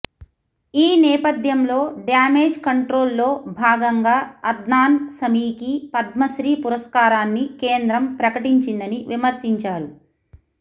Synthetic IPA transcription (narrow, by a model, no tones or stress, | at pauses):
iːnɛːpɐd̪ʱjɐmlo̞ːɖjaːmeːd͡ʒkɐɳʈɾo̞ːlːo̞ːbʱaːɡɐŋɡaːɐd̪naːnsɐmiːkipɐd̪̚mɐʃɾiːpuɾɐskaːɾaːnːikeːnd̪ɾɐmpɾɐkɐʈiɲt͡ʃind̪ɐniʋimɐɾsiɲt͡ʃaːɾu